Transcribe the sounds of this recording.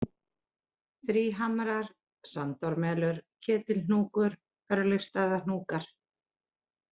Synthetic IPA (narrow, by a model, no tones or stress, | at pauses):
θɾiːɦamɾaɾ̥ | sant̪ɔɾmɛːlʏɾ̥cʰɛːt̪ɪlnuːkʏɾ̥ | œɾlɪfst̪aːðanuːkaɾ̥